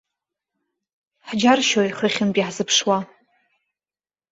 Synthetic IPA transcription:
ħd͡ʒarʃojχəχʲɪnpʼiħzɨpʰʂwa

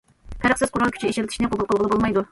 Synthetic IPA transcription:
pʰæɾəχsɨzqʰʊɾɑlˠkʲʰy̥t͡ʃʰieʃɪɾɪt̪ʰɪʃinɪqʰobʊlˠqʰəlˠbəlˠɨbolˠmɑjd̪u

